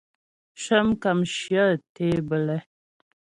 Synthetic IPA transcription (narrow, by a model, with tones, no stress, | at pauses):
ʃə˦mka˨mʃjə˦˨te˦bə˨lɛ˦